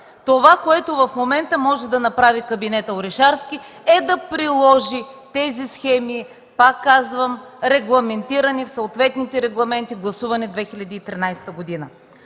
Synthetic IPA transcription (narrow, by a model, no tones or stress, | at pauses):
t̪ovakoɛt̪ovɐfmomɛnt̪əmɔʒɛd̪ɐnɐpɾavikɐbinɛt̪əoɾɛʃaɾskʲi | ɛd̪ɐpɾilˠɔʒit̪ɛzisxɛmi | pakːazvəmɾɛɡlˠɐmɛnt̪iɾɐnifsoʊːt̪vɛt̪nit̪ɛɾɛɡlˠɐmɛnt̪iɡlˠɐsuvɐnɛd̪vɛxilʲɐd̪iːt̪ɾinajsɛ̥t̪əɡod̪inə